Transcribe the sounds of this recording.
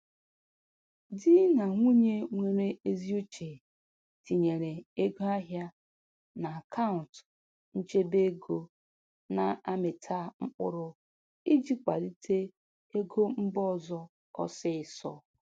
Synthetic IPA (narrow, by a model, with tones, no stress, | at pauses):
dɪ˦na˨ŋʷu˦ɲe˦ŋʷe˦ɾe˦e˦zi˦u˦t͡ʃe˨ | ti˨ɲe˨ɾe˨e˦ɡo˦a˦ɦja˦ | na˨a˨kʰa˦ʊ˨nt | n̩˦t͡ʃe˦be˦ɡo˦ | na˨a˦mɪ˨tʰa˦ŋ͡m̩˦k͡pʊ̰˦ɾʊ˦ | i˦d͡ʒi˦kʷa̰˨di˦tʰe˦ | e˦ɡo˦m̩˦bɔ˦zɔ˦ | ɔ̰˦sɪ˦ɪ˨sɔ̰˦